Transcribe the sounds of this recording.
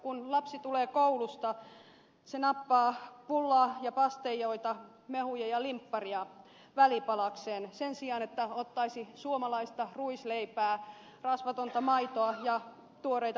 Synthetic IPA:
kunlɑpsit̪uleːkoulust̪ɑ | senɑpːɑːpulːɑːjɑpɑst̪ejoit̪ɑ | mehujɑjɑlimpːɑriɑ | ʋælipɑlɑkseːnsensiɑnet̪ːæot̪ːɑisisuomɑlɑist̪ɑruisleipæː | rɑsʋɑt̪ont̪ɑmɑit̪oɑjɑ | t̪uoreit̪ɑ

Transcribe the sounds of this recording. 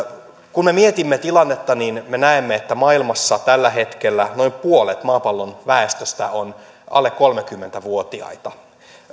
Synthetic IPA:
kumemiet̪imːet̪ilɑnːet̪ːɑninmenæemːeet̪ːæmɑilmɑsːɑt̪ælːæhet̪kelːæno̞impuolet̪mɑːpɑlːonʋæest̪øst̪æ̰on | ɑ̰lːekkolmekymːent̪æʋuot̪iɑ̰it̪ɑ

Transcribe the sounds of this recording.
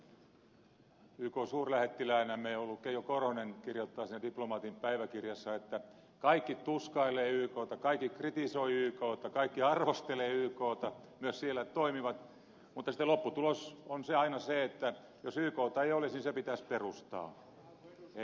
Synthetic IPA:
yːkoːsuːrlæhet̪ːilæinæmːeiolːukːeijokorhoneŋkirjot̪ːɑːsiːnædiplomɑːt̪impæiʋækirjɑsːɑet̪ːæ | kɑikːit̪uskɑileːyːkoːt̪ɑkɑikːikrit̪isoiyːkoːt̪ːɑkɑikːiɑrʋost̪eleːyːkoːt̪ɑmyøssielːæt̪oimiʋɑt̪ | mut̪ːɑsit̪elopːut̪ulosonseɑinɑseet̪ːæ | josyːkoːt̪ɑeiolisnisepit̪æsperust̪ɑ̰ː | e

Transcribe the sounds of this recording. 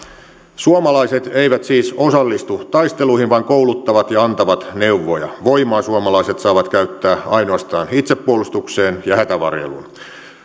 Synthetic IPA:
suomɑlɑiset̪eiʋæt̪siːsosɑlːist̪ut̪ɑist̪eluihinʋɑiŋkoulut̪ːɑʋɑt̪jɑɑnt̪ɑʋɑt̪ne̞uʋːojɑ̰ʋo̞imɑːsuomɑlɑiset̪sɑːʋɑt̪kæyt̪ːæːɑinoɑst̪ɑːnit̪sepːuolust̪ukseːnjɑhæt̪æʋɑ̰rjḛlṵn

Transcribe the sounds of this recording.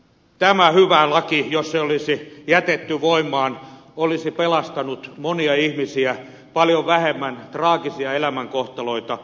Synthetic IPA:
t̪æmæhyʋælɑkijosseolisijæt̪et̪ːyʋoimːˑɑːnolisipelɑst̪ɑnut̪moniɑihmisiæ | pɑljoʋʋæhemːænt̪rɑːkisiɑelæmæŋkoht̪ɑloit̪ɑ

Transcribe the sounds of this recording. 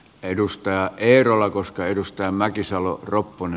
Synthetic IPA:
edust̪ɑjɑʔʔeˑːrolːɑkoskɑedust̪ɑjɑmækisɑlo̰ropːone

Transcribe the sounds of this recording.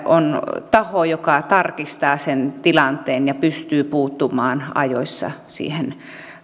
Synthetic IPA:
ʔont̪ɑhojokɑt̪ɑrkist̪ɑːsent̪ilɑnt̪ˑeːnjɑpyst̪yːpuːt̪ːumɑːnɑ̰jo̰isːɑ̰sḭːhen

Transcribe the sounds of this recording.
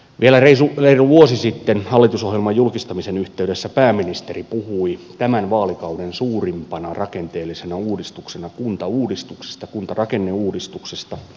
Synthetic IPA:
ʋielæreisureiruʋuosisit̪ːenhɑlːit̪usohjelmɑjjulkist̪ɑmisenyht̪eyɾesːæpæːmːinist̪eripuhuit̪æmænʋɑːlikɑudensuːrimpɑnɑrʔɑkent̪eːlːisenæuːdist̪uksenɑkunt̪ɑuːdist̪ukse̥st̪ɑkunt̪ɑrɑkenːeuːdist̪uksest̪ɑ

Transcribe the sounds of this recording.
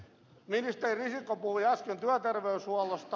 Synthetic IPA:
minist̪eririsikːopuhujæskent̪yæt̪erʋeyshuɑlost̪ɑ

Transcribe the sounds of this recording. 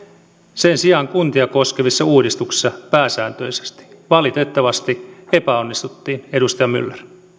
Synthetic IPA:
sensiɑŋkunt̪iɑko̞skeʋisːɑuːdist̪uksi̥sːɑpæːsæːnt̪ø̞ise̥st̪i̥ʋɑlit̪et̪ːɑʋɑst̪ie̞pæo̞nːist̪ut̪ːiːne̞dust̪ɑjɑmy̰lːer

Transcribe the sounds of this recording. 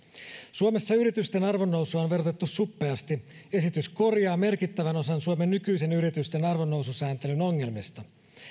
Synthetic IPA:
suome̞sːɑyɾit̪yst̪e̞nɑrʋo̞nːo̞wsuɑonʋe̞rot̪e̞t̪ːussupːe̞ɑst̪ie̞sit̪ysko̞rjɑːme̞rkit̪ːæʋæno̞sɑnsuome̞nːykyjse̞nyɾit̪yst̪e̞nɑrʋonːo̞wsusæːnt̪e̞lyno̞ŋːe̞lmist̪ɑ

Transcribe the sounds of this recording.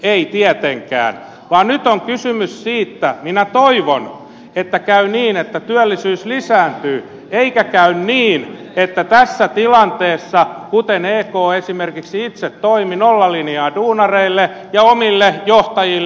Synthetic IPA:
eit̪iɛt̪eŋkæ̰ːn | ʋɑːnnyt̪oŋkysymyssiːt̪ːæminæt̪oiʋon | et̪ːækæyniːnet̪ːæt̪yælːisyːslisæːnt̪yː | eikækæynniːn | et̪ːæt̪æsːæt̪ilɑnt̪eːsːɑkut̪eneːkoːesimerkiksiit̪set̪toiminolːɑliniɑːduːnɑreilːe | jɑomilːejoht̪ɑjil

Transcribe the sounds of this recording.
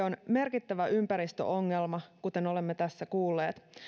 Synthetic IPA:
onme̞rkit̪ːæʋæʔympæɾist̪ø̰ʔo̞ŋːe̞lmɑkut̪eno̞le̞mːet̪æsːækuːlːe̞ːt̪

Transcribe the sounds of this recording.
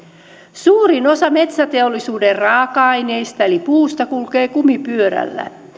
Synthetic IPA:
suːɾino̞sɑme̞t̪sæt̪e̞olːisuːderrɑːkɑɑjne̞jst̪ɑelipuːst̪ɑkulke̞ːkumipyøɾæ̰lːæ̰

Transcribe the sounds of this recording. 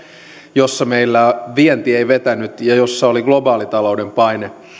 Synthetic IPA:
josːɑmeilːæʋiɛnt̪ieiʋet̪ænyt̪jɑjosːɑoliɡlobɑːlit̪ɑloudempɑine

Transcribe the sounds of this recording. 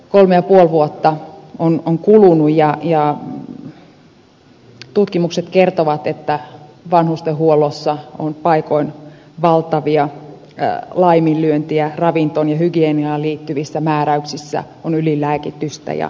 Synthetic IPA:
kolmejɑpuolʋuot̪ːɑonoŋkulunujjɑjɑ | t̪ut̪kimukset̪kert̪oʋɑt̪et̪ːæ | ʋɑnhust̪ehhuolːˑosːɑonpɑikoin | ʋɑlt̪ɑʋiɑ | lɑimillyønt̪iærɑʋint̪onjɑhyɡieniɑːliːt̪ːyʋisːæmæːɾæyksisːæ̰ | onylilæːkit̪ːyst̪æ̰jɑ̰

